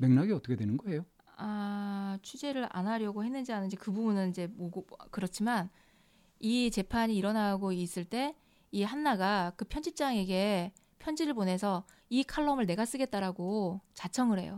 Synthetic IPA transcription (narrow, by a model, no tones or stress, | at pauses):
me̞ŋnaɡiʌt͈ʌkʰedwenɯnɡʌe̞jo | a | t͡ɕʰud͡ʑe̞ɾɯɾa̰nɦaɾjʌɡohe̞nːɯnd͡ʑianɯnd͡ʑikɯbubunɯnid͡ʑe̞moɡokɯɾʌt͡ɕʰiman | it͡ɕe̞pʰaɲiːɾʌnaɡois͈ɯɭt͈e̞ | iɦanːaɡakɯpʰjʌnd͡ʑip̚t͡ɕ͈aŋe̞ɡe̞ | pʰjʌnd͡ʑiɾɯɭpone̞sʰʌ | ikʰaɭːʌmɯɭne̞ɡas͈ɯɡe̞t̚t͈aɾaɡot͡ɕat͡ɕʰʌŋɯɾɦe̞̰jo̰